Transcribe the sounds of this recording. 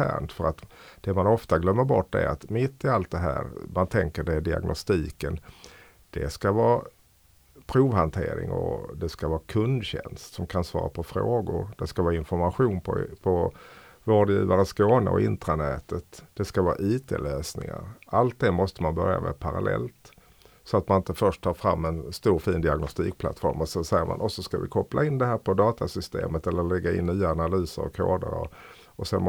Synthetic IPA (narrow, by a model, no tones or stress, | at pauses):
æ̰ːɳt̪fœɾat̪d̪̥ɛmanɔft̪aɡlœmːəɾbɔʈːd̪ɛ̰ɾa̰t̪mɪt̪ːɪalt̪̚d̪ɛɦæːɾmant̪ʰɛŋkəɖɛɖɪa̰ɡnʔɔst̪iːkən | d̪̥ɛskavɑː | pʰɾuːvhant̪ʰeːɾɪ̰ŋɔ̰d̪ɛskavɑːkʰɵnd̪ɕɛnst̪sɔmkʰansvɑ̰ːɾa̰pʰɔfɾoːɡʊɾd̪ɛskavɑːɪnfɔɾmaɧuːnpʰɔpʰɔ | voːɖjiːvaɾəskoːnə̰ɔ̰ʔɪnt̪ɾanɛːt̪ət̪d̪̥ɛskavɑːaʔiːt̪ʰeːløːsnɪ̰ŋa̰ɾʔalt̪̚d̪ɛmɔst̪əmanbœɾja̰mʔɛ̰pʰaɾalɛ̰lt̪ | sɔat̪manɪnt̪əfœʂʈt̪ʰɑːɾfɾamːɛnst̪uːɾfiːnd̪ɪaɡnɔst̪iːk̚pʰla̰t̪fɔɾmɔsɛnsɛjːəɾmʔa̰nʔɔsɔskavɪkʰɔplaɪnd̪ɛɦæːɾpʰɔd̪ɑːt̪asʏst̪ḛːmət̪ɛlːəɾlɛɡːaɪnːyːaːnalyːsəɾɔ̰kʰoːd̪əɾɔ̰ | ɔsɛn